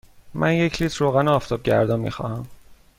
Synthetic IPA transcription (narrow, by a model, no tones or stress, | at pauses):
mʔænjecʰliːt̪ʰɾoːɣænoɒːft̪ɒb̚ɟæ̰ɾd̪ɒmḭxɒ̰hæm